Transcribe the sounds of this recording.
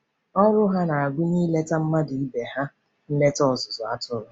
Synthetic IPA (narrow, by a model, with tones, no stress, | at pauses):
ɔ˦ɾʊ˦ɦa˦na˨a˨ɡʷʊ˦ni˦le˦ta˦m̩˦ma˦di˨i˦be˨ha˦ | n̩˦ne˦tɔ˦ɔ˨zʊ˨zʊ˨a̰˨tʊ˦ɾʊ˨